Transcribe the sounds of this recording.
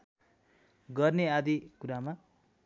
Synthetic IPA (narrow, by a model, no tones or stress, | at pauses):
ɡʌrnead̪ikuɾama